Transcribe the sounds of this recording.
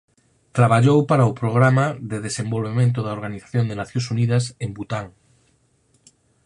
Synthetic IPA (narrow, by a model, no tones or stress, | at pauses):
t̪ɾaβaʎowpaɾaʊpɾoɣ̞ɾamaðeðesẽmbolβemẽnt̪ʊðaoɾɣaniθḁθjõnd̪enaθjõsuniðɐsembut̪aŋ